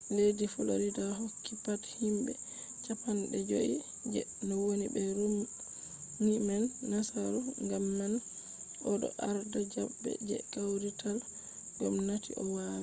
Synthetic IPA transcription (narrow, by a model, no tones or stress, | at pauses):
ledifɔlo̰ɾidaɦokʰːipathimbɛ̰ | t͡ʃapanɗɛd͡ʒoʔi | d͡ʒɛnɔwonibɛɾu | mimanːasaɾɔŋɡamːan | ʔɔɗɔ̰ʔaɾdad͡ʒabːɛ̰d͡ʒɛ̰kawɾitʰal | ɡɔmnatḭʔɔwawi